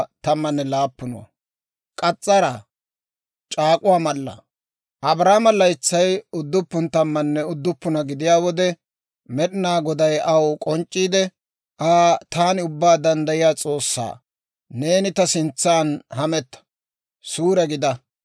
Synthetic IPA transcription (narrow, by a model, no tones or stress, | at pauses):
t̪ɐmːɐnːɛlaːpːʊnʊwɐ̰ | kʼɐt͡sʼːɐɾa | t͡ʃʼaːkʼʊwaːmɐlːɐ̰ | ʔɐbɾaːmɐlɐɪt͡sːɐjʊd̪ːʊpːʊnt̪ɐmːɐnːɛʊd̪ːʊpːʊnɐɡɪd̪ɪjaːwɔd̪ɛ | mɛɗɪnaːɡɔd̪ɐjʔɐwkʼɔnt͡ʃʼːiːd̪ɛ | ʔaːt̪aːnɪʊbːaːd̪ɐnd̪ɐjɪjaːt͡sʼo̞ːsːa̰ː | ne̞ːnɪt̪ɐsɪnt͡sːaːnhɐmɛt̪ːɐ̥ | suːɾɛɡɪd̪ɐ